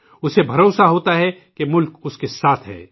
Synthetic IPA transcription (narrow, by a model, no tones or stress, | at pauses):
ʊsebʱɐɾoːsaɦoːt̪aɦɛ | kemʊlkʊskesaːt̪ʰɦɛ̰ː